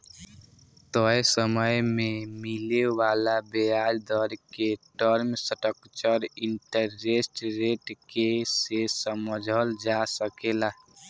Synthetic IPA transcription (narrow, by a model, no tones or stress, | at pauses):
t̪ɔesəməjmemilewalabeaɾd̪əɾkeʈəɾmsəʈəkt͡ʃəɾiɳʈəɾːesʈɾeʈkesesəməd͡ʒʱəld͡ʒasəkela